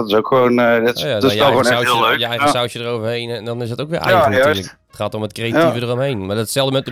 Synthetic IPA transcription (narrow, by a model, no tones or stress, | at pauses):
tɪsokxʋoːndtjajɛonawːlˠløːjəɛjəəsawsjədərowvərhejndɔnɪsətowkʋɪʔɛ̰jənlək | ətχaːtomətkrejativədərɔmɦejnmadɔtsɛlˠdəmɛt